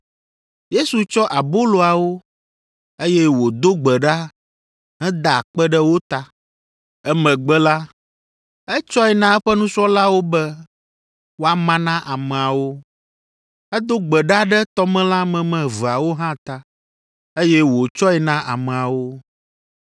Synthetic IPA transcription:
je˦su˨t͡ʃɔ˦ʔa˨bo˦lo˨a˨wo˦ | e˦jɛ˦wo˨d̪o˦ɡ͡bɛ˨ɖa˦ | ɦɛ̃˦d̪a˨k͡pɛ˦ɖɛ˦wo˦t̪a˨ | ɛ˦mɛ̃˨ɡ͡bɛ˦la˦ | ɛ˦t͡ʃɔ˦ɛ˨nã˦ɛ˦ɸɛ˦nũ˦sɔ˦la˦wo˦bɛ˦ | wo˦a˨mã˦nã˦ʔa˨mɛ̃˨a˨wo˦ | ɛ˦d̪o˦ɡ͡bɛ˨ɖa˦ɖɛ˦t̪ɔ˦mɛ̃˦la˦mɛ̃˨mɛ̃˨və˨a˨wo˦ɦã˦t̪a˨ | e˦jɛ˦wo˨t͡ʃɔ˦ɛ˨nã˦ʔa̰˨mɛ˨a˨wo˦

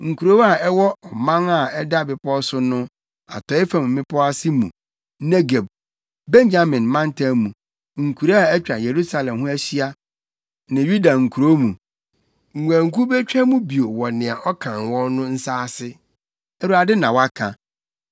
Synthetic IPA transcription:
ŋ̩˨kʰu˨ɾo˦wa˦˨ɛ˦wɔ˦ɔ˨mã˦ŋa˨ɛ˦da˦bɪ˨pɔ˦sʊ˦nʊ̃˦ | a̰˨tʰɔ˨˦ɪ˦fa˨mʊ̃˨mɪ̃˦pʰɔ˦a˦sɪ˦mṵ̃˨ | nɛ˦ɡe˨b̚ | bɛ̃˦n˦d͡ʑa˦mɪ̃˨nmã˦n˦tʰa˦mũ˨ | ŋ̩˨kʰu˨ɾa˦a˦˨ɛ˦t͡ɕᶣa˨je˨ɾu˦sa˨lɛ̃˨mhʊ̃˦æ˦ɕi˦a˦ | nã˨ju˦da˨ŋ̩˨kʰu˨ɾo˦mũ˨ | ŋ̩˨ŋʷ˨æ̃˨ŋ̩˨ku˦be˦t͡ɕᶣɛ˦mũ˦bi˨o˨wɔ˨nɪ̃˨a˨ʔɔ˦kʰã˨nwɔ̃˦nʊ̃˦n̩˦saː˦sɪ˦ | ɛ˨ɾu˨a˨dɪ˦nã˨wa˦kʰã˨

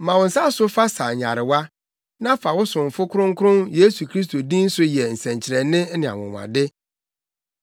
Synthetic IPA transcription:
mã˨wʊ̃˨sa˦sʊ˦fa˦sa˨ɲa̰˨ɾɪ˨wa˦ | nã˦fa˨wʊ˦sʊ̃˨ɱ˨fʊ˦kʰʊ˦ʊ̃˦ŋ̩˦kʰʊ˦ʊ̃˦nje˦su˨kʰɾi˦s̬to˨dĩ˦n̩˦sʊ˦jɛ˨n̩˨sɛ̃˨ɲt͡ɕʰɪ˨ɾɛ˨nɪ̃˦nɪ̃˨a̰˨wʊ̰̃˨m˨ã̰˨dɪ˦

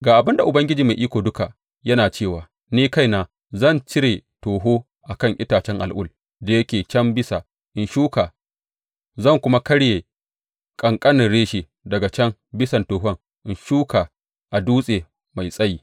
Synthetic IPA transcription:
ɡaː˨ʔa˨bɪ˦nda˨ʔʊ˨bɐ˦ŋɡʲɪ˦d͡ʒiː˨ma˨jʔiː˦kʷoː˨dʊ˦ka˨ | jɐ˦naː˨t͡ʃeː˦˨waː˨ | niː˦ka˦˨jnaː˨ | zɐ˦˨nt͡ʃɪ˦ɾeː˨toː˨ɦoː˦ | ʔa˨kɐ˦ŋʔɪ˦taː˨t͡ʃɛ˦ŋʔa̰˨lʔʊ̰˦˨l | da˨jɐ˦kʲeː˨t͡ʃɐ˦mbɪ˦sa˨ | ʔɪ˨nʃuː˦kaː˨ | zɐ˦˨ŋkʷʊ˦ma˦kɐ˦ɽjeː˨ | kʼɐ˨ŋkʼɐ˦nɪ˨nɽeː˦ʃeː˨ | dɐ˨ɡa˨t͡ʃɐ˦ŋbɪ˦sɐ˨ntoː˨ɦɔ˦ŋ | ʔɪ˨nʃuː˦kʰa˨ | ʔa˨duː˦sʼeː˨ | ma˨jsʼɐ˦jiː˦

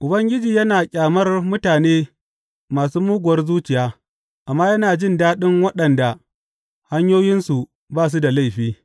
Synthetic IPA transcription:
ʔʊ˨bɐ˦ŋɡʲɪ˦d͡ʒiː˨jɐ˦naː˨kʲʼaː˨mɐ˦rmʊ˦taː˨neː˦ | maː˨suː˦muː˦ɡʷʊ˨wɐ˦rzuː˦t͡ʃɪ˨jaː˦ | ʔa˨mːaː˦jɐ˦naː˨d͡ʒɪ˦ndaː˦ɗɪ˦ŋwɐ˦ɗɐ˨nda˨ | ha˦ɲjoː˦jɪ˦nsu˨ | baː˦˨s̬u˦da˨la˦˨jɸiː˦

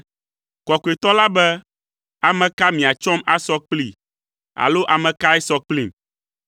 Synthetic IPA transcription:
kɔ˨ko˨e˨t̪ɔ˦la˦bɛ˦ | a˨mɛ̃˨ka˦mĩ˨a˨t͡ʃɔ˦ma˦sɔ˦k͡pli˦˨ | a̰˨lo˦ʔa˨mɛ̃˨ka˦ɛ˦sɔ˦k͡pli˨m

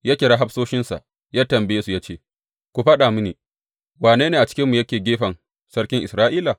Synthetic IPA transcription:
jaː˦kʲɪ˨ɽaː˦ɦa˦ɸsoː˦ʃɪ˦nsa̰˨ʔ | jaː˦tɐ˨mbjeː˦su˨jaː˦t͡ʃeː˦ | kʷu˨ɸa˦ɗa˨mʊ˦niː˨ | waː˨neː˦neː˨ʔa˨t͡ʃɪ̥˦kʲɪ˦mːu˨jɐ˦kʲeː˨ɡʲeː˦ɸɐ˨ŋ | sɐ˦ɽkʲɪ˦ŋʔɪ˨sɾaː˦ʔiː˦la˨

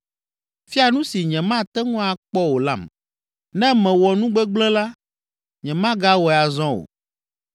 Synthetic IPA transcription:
fi˦a˨nũ˦si˨ɲɛ̃˨mã˦˨t̪ɛ˦ŋũ˦a˨k͡pɔ˦wo˨la̰˦˨m | nɛ̃˦mɛ̃˨wɔ˨nũ˦ɡ͡bɛ˦ɡ͡blɛ̃˦la˦ | ɲɛ̃˨mã˦ɡa˦wɔ˨a˨zɔ̃˦o̰˨

